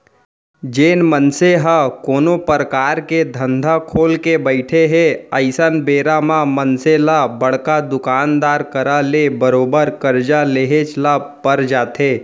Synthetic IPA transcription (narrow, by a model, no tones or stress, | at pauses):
d͡ʒeːnmənseɦəkoːnopəɾəkaːɾked̪ʱə̃nd̪ʱakʰoːlkebəɪʈʰeɦeəɪsənbeːɾamãmənselabəɽ̤kad̪ʊkaːnd̪aːɾkəɾalebəɾoːbəɾkəɾd͡ʒaleːɦet͡ʃlapəɾd͡ʒaːt̪eː